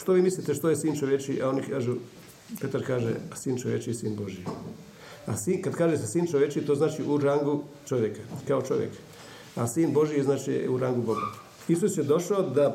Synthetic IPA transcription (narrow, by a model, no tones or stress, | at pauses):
ʃt̪o̞ʋiːmislit̪eʃt̪ojesiːnt͡ʃoʋjet͡ʃiʔao̞nikaːʒu | pe̞t̪aɾkaːʒḛasiːnt͡ʃoʋjet͡ʃijesiːnbo̞ʒi | asiːnkad̪kaːʒesesiːnt͡ʃoʋje̞t͡ʃit̪oːznaːt͡ʃiʔuɾaŋɡu | t͡ʃoʋjekḁkao̞t͡ʃo̞ʋjḛk | asiːnbo̞ʒieznaːt͡ʃijḛuɾaŋɡuboɡat̪ | isusjed̪o̞ʃaod̪a